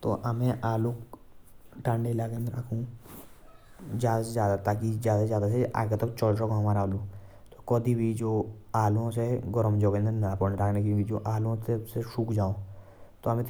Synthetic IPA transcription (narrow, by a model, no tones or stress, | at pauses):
t̪o̰ɐmẽʔaːluk | ʈãɳɖelaːɡẽnd̪ɾaːkʰũ | d͡ʒjaːd̪szjaːd̪at̪aːk̬izjaːd̪azjaːd̪aseʔa̰ːɡet̪ɔkt͡ʃɔlsəkõɦɐmaːɾaːlu | t̪okɔd̪ibʱid͡ʒoːaːlõseɡɔɾəmd͡ʒoɡẽnd̪enapɔnɾaːkʰnekiid͡ʒoːʔaːlõt̪eseʃuːkd͡ʒaːõ | t̪oɐmẽt̪